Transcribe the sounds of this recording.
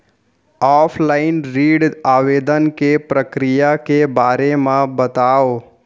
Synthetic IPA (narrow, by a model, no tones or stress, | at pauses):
ɔːpʰlaːɪnɾiːɖaːʋeːd̪ənkepɾəkɾɪjakebaːɾemãbət̪aːoː